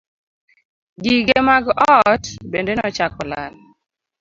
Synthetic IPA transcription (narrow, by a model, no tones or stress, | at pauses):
ɡiɡemaɡɔtbendenɔt͡ʃakɔla̰l